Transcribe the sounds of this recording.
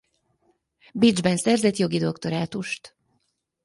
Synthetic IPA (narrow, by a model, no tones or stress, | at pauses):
bid͡ʒbɛnsɛrzɛt̪jo̞ɡid̪o̞kt̪o̞ɾaːt̪uʃt̪